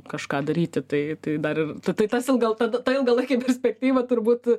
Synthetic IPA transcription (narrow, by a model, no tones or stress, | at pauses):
kɐʃkɑːd̪ɐɾʲiːt̪ʲɪt̪ɐɪt̪ɐɪd̪ɐɾɪrt̪ɐɪt̪ɐɪt̪ɐsɪlˠɡɐlˠt̪ɐd̪ɐt̪ɐɪlˠɡɐlˠɐɪkʲepʲɛrʲsʲpʲɛk̚t̪ʲiːʋɐt̪ʊrbuːt̪